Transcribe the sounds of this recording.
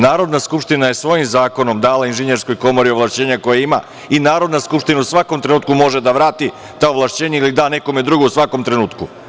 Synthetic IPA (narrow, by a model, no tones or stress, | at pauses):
naːɾo̞d̪naskupʃt̪inaje̞sʋo̞jimzaːko̞no̞md̪aːlainʒeɲeɾsko̞jko̞mo̞ɾioʋlˠaʃt͡ɕe̞ːɲako̞jeima̰ | inaːɾo̞d̪naskupʃt̪inausʋakomt̪ɾe̞nuːt̪kumo̞ʒe̞d̪aʋɾaːt̪i | t̪aoʋlˠaʃt͡ɕe̞ːɲeilid̪aːne̞ko̞me̞d̪ɾuɡousʋako̞mt̪ɾe̞nuːt̪ku